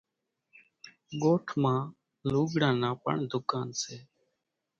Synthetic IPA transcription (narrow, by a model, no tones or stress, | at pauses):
ɠoːʈʰmãː | luːɡɽãːnãːpə̰ɳd̪ʊkaːnseː